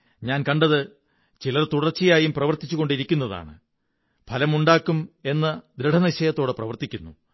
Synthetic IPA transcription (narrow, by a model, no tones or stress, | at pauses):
ɲaːnkɐɳɖɐðɨ | t͡ɕilɐrt̪uɽɐrt͡ɕːijaːjumprɐʋɐrt̪it͡ɕːuɣo̞ɳɖiɾikʲːunːɐða̰ːɳɨ̰ | pʰɐlɐmuɳɖaːkːume̞nːɐd̪ɾeɖʰʱɐnɐɕɐjɐt̪ːo̞ːɽɨprɐʋɐrt̪ikʲːunːu